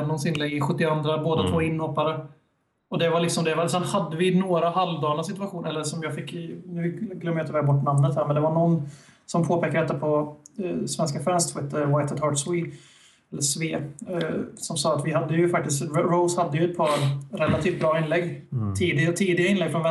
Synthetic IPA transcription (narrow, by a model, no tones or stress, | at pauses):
nɔnsɪnlɛɡːɪɧɵt̪ːɪɔand̪ɾaboːd̪at̪ʰvoːɪnːhɔpːaɾə | ɔd̪ɛvaɭɪksɔmd̪ɛvasɛnhad̪ːəvɪnoːɾaɦalvd̪ɑːɳasɪt̪ɵaɧuːnɛlːəʂɔmjɑːɡfɪkːnʉ̟ːɡlœmːjat̪ʰɪvɛːɡbɔʈːnamnət̪hæːɾmɛnd̪ɛvaɳɔnː | sɔmpʰoːpʰeːkːaɾɛt̪ːapʰɔ | svɛnskafɾɛnst̪feːt̪ːəwaɪt̪əd̪ɑːʈswi | ɛlːəsveː | sɔmsɑːat̪vɪɦad̪ːəjɵfak̚t̪ɪst̪ɾoʊshad̪ːəjɵɛt̪̚pʰɑːɾɾɛlat̪ʰiːft̪̚bɾɑːɪnlɛɡːt̪ʰiːd̪ɪat̪ʰiːd̪ɪɡaɪnlɛɡːfɾɔnvɛ